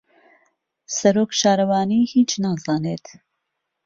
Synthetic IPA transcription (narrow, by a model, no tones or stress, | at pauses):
sɐɾoːkʃaːɾɐwɑːniːhiːt͡ʃnaːzɑːneːt̪